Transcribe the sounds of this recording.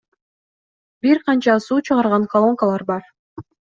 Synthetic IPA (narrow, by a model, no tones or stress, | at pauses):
biɾqʰɑnt͡ʃɑsuːt͡ʃʰɯʁɑɾʁɑnkɐlˠo̞ŋkalˠɑɾbɑɾ